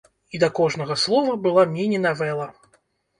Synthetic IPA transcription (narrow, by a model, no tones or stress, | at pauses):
id̪ɐkɔʐnɐɣɐslˠɔvɐbɨlˠamʲinʲinavɛlˠɐ